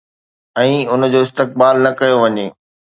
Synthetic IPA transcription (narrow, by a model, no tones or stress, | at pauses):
ɛ̃ːʊn̆d͡ʑoːɪst̪ɪk̚baːlnɐkɐjoʋɐɲeː